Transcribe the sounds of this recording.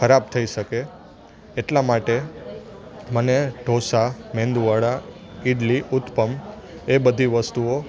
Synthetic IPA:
kəɾab̚t̪ʰəiʃəkeː | ʈlamaʈe | məneɖʱosamẽnd̪uʋaɽa | iɖliʔʊt̪pəm | ebəd̪ʱiʋəst̪uo

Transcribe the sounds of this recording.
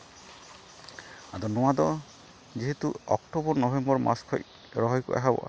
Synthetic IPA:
ad̪ɔnɔwad̪ɔ | d͡ʒiɦet̪uɔ̰kʈɔbɔnɔbʱembɔɾmʔa̰skʰɔj | ɾɔɦɔjkṵʔa̰ɦabɔ̰ʔa

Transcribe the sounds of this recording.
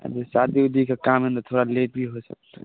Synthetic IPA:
a̰desad̪iud̪ʱikekamẽnd̪ɾt̪ʰoɽalep̚bʱiɦosə̰kt̪a̰

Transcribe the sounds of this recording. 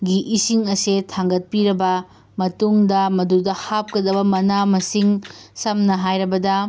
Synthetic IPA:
ɡiʔisiŋɐsetʰaŋɡɐt̚piɾɐbɐ | mɐtuŋdɐmɐdudɐhap̚kɐdɐbɐmɐnamɐsiŋsɐmnɐɦajɾɐbɐdɐ

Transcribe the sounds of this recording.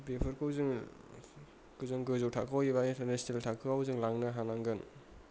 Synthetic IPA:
bepʰɯɾkʰɯwzɯŋ | kɯzɯŋɡɯzowtʰakʰawjibaintɐɾnesneltʰakʰɯawzɯŋlaŋnaɦanaŋɡɯn

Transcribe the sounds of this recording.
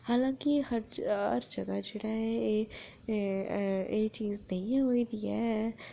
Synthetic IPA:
haːlãːkihɐɾ̰ɾd͡ʒɐɡad͡ʒeːɽaɦɛeː | eːt͡ʃiːznɐɦĩɦoːid̪iɛː

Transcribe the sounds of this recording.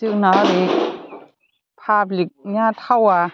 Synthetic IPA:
ɯk̚naɾi | pʰaːblik̚niat̪ʰawa

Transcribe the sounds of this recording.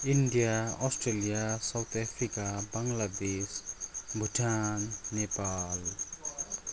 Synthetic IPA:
inɖijaɔsʈɾelijasawt̪ʰapʰɾikabaŋlad̪esbʱuʈʰanːepal

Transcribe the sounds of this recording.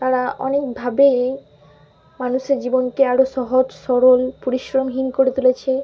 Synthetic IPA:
t̪aɾaʔɔ̰nek̚bʱabe | manuʃeɾd͡ʑibonkeaɾoʃɔɦod͡ʑsɔɾolpoɾiʃɾomɦinkoɾet̪ulet͡ɕʰe

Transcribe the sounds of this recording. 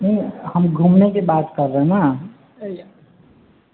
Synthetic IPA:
nehəmɡʱumnekebaːt̪kəɾːəɦna

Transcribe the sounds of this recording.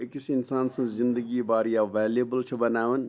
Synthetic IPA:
ɪkisɪnsaːnsɐ̃zzɪnd̪əɡiːbaːɾijaːʋɛːljebəlt͡ʃʰɐbɐnaːʋən

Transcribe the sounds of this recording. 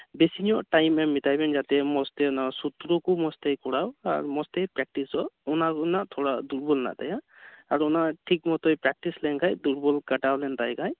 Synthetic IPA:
besiniɔʈajmɛmitajbɛnzat̪ɛmɔstɛnasut̪ɾɔkumɔstejkɔɹawa̰ɹumɔstejpɹɛk̚ʈisɔunaknaʔt̪ʰɔɹaduɹbɔlna̰t̪aja | aɹuɔnaʈʰik̚mɔt̪ɔjpɹɛk̚ʈislɛnkʰajduɹbɔlkaʈalɛntajkʰaj

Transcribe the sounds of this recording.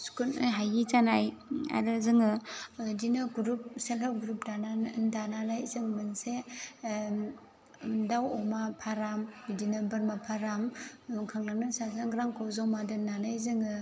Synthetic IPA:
skunɯjɦajit͡ʃanaja̰ɾɯzɯŋɯdinɯɡuɾup̚selaɾɡuɾup̚dandananajzɯŋmɯnse | dawɔmapʰaɾamdinɯbɯɾmapʰaɾamkʰaŋlaŋnɯnsazaŋɡɾaŋkʰɔwzawmadɯnanajzɯŋɯ

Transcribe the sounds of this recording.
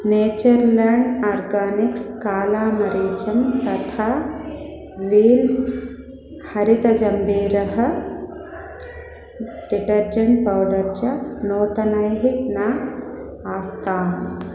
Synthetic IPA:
neːt͡ʃɐɾlaːɳɖaːɾɡaːnikskaːlaːmɐɾeːt͡ʃɐmt̪ɐt̪ʰaː | ʋiːl | hɐɾit̪ɐd͡ʒɐmbiːɾɐɦɐ̆ | ɖ̥iʈɐɾd͡ʒɐɳʈ̚pɐwɖɐɾt͡ʃɐnoːt̪ɐnɐjɦiknaː | aːst̪aːn

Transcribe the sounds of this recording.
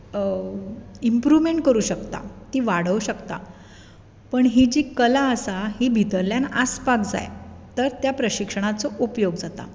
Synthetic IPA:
impɾuʋmeɳʈ̚kəɾuːɕəkt̪a̰t̪iːʋaɽ̤əʋɕəkt̪a̰ | pəɳɦid͡ʑiːkəlaəsaɦibʱit̪əɾljanaspakd͡za̰jt̪əɾt̪japɾəɕikʂəɳ̃at͡sɔʔupjoɡd͡zat̪a̰

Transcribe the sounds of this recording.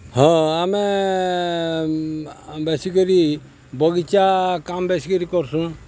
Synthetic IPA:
hɔ̃amɛ | bɛsikɔɾi | bɔɡit͡ʃakambɛsikɔɾikɔɾsũ

